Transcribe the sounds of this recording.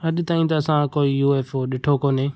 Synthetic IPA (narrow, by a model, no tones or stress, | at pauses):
ɐɗɪ̆t̪aːĩt̪ɐɐsãkoːijuːeːfoɗɪʈʰokoːneː